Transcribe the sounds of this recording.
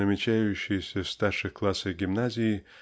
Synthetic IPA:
əmʲɪt͡ɕæjʉɕːɪjsʲəst̪arʂɨxklˠasɨɡʲɪmnazʲɪɪ

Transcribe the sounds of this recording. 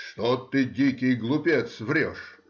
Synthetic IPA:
ʂt̪ot̪ɨdʲikʲɪjɡlˠʊpʲet̪svɾʲɔʂ

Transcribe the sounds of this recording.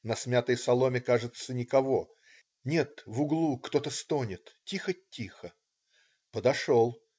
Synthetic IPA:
nɐsmʲat̪əjsɐlˠo̞mʲɪkaʐɨt̪sənʲɪkɐvo̞ | nʲe̞t̪vʊɡlˠukt̪o̞t̪əst̪onʲɪt̪tʲixətʲːixə | pəd̪ɐʂolˠ

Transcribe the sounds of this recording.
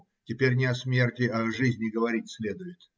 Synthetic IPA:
tʲɪpʲeɾʲnʲɪɐsmʲe̞rtʲɪɐʐɨzʲnʲɪɡəvɐɾʲitʲsʲlʲed̪ʊjɪt̪

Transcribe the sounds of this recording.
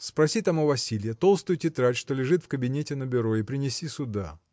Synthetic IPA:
spɾɐsʲit̪amɐvɐsʲilʲɪjət̪o̞lˠst̪ʊjʊtʲɪt̪ɾatʲʂt̪o̞lʲɪʐɨt̪fkəbʲɪnʲetʲɪnəbʲɪɾo̞ɪpɾʲɪnʲɪsʲisʊd̪a

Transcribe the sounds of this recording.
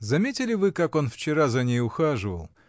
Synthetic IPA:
zɐmʲetʲɪlʲɪvɨkako̞nft͡ɕɪɾazɐnʲejʊxaʐɨvə̰lˠ

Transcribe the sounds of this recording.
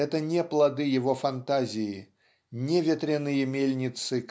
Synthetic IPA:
ɛt̪ənʲeplˠɐd̪ɨjɪvofɐnt̪azʲɪjɪ | nʲevʲɪt̪ɾʲɪnɨjəmʲelʲnʲɪt̪sɨk

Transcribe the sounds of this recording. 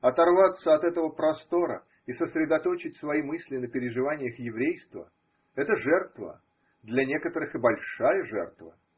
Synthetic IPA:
ɐt̪ɐrvat̪sːəɐt̪ɛt̪əvəpɾɐst̪o̞ɾə̰ | isəsɾʲɪd̪ɐt̪o̞t͡ɕɪtʲsvɐimɨsʲlʲɪnəpʲɪɾʲɪʐɨvanʲɪjəxjɪvɾʲejst̪və̰ | ɛt̪əʐɛrt̪və̰ | d̪lʲanʲe̞kət̪əɾɨxɨbɐlʲʂajəʐɛ̰rt̪və̰

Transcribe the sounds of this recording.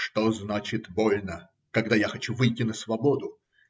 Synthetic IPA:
ʂt̪oznat͡ɕɪt̪bo̞lʲnə | kɐɡ̚d̪ajaxɐt͡ɕuvɨjtʲɪnəsvɐbod̪ʊ

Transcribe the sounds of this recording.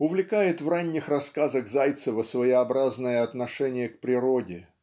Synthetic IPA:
ʊvlʲɪkajɪt̪vranʲːɪxrɐskazəɣzajt̪səvəsvəjɪɐbɾaznəjəɐt̪nɐʂɛnʲɪjəkpɾʲɪɾodʲɪ

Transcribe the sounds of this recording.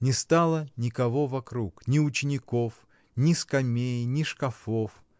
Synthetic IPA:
nʲɪst̪alˠənʲɪkɐvovɐkɾuknʲɪʊt͡ɕɪnʲɪko̞f | nʲɪskɐmʲejnʲɪʂkɐfo̞f

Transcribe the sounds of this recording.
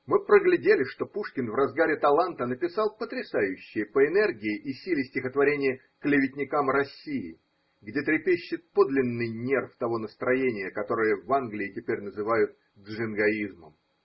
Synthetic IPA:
mɨpɾəɡlʲɪdʲelʲɪʂt̪o̞puʂkʲɪnvrɐzɡaɾʲɪt̪ɐlˠant̪ənəpʲɪsɑlˠpət̪ɾʲɪsajʉɕːɪjəpəɪnɛrɡʲɪɪʔisʲilʲɪsʲtʲɪxət̪vɐɾʲenʲɪjə | klʲɪvʲɪtʲnʲɪkamrɐsʲːijɪ̰ | ɡdʲet̪ɾʲɪpʲeɕːɪt̪̚po̞d̪lʲɪnːɨjnʲe̞rft̪ɐvo̞nəst̪ɾɐjenʲɪjəkɐt̪o̞ɾɨjəvanɡlʲɪːtʲɪpʲeɾʲnəzɨvajʊt̪̚ | ʐɨnɡɐizməm

